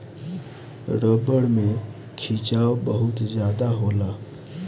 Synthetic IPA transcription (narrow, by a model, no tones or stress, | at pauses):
ɾəbəɽme | kʰit͡ʃawbəɦʊt̪zjad̪aɦola